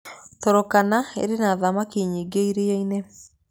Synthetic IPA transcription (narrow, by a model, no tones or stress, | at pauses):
tɔɾɔkanaḛɾenaðamakiɲiːɡeiɾeaine